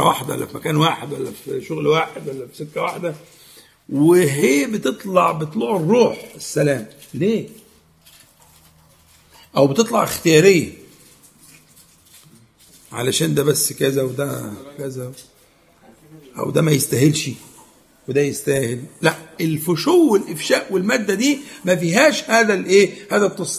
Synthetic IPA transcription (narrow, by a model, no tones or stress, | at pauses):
æwaħd̪æwæ̰lːæ̰fimæ̰kæːnwaːħed̪wælːæfʃoɣlwaːħed̪wælːæfisekːæwaħd̪æ | weɦeːbet̪et̪ˤlɑʕbet̪ˤloʕerːuːħesːælæːm | leː | ʔæwbet̪et̪ˤlɑʕext̪ejɑːɾejːæ | ʕa̰læʃæːnd̪æbæsːkæzæwed̪ækæzæ | ʔæ̰wd̪æmæjest̪æɦelʃi | wed̪æjest̪æːhellæʔelfoʃuːwːelʔefʃæːʔwelmæːd̪ːæd̪iːmæfiːɦæːʃhæːd̪ælʔeːhæːd̪æt̪ːˤesˤ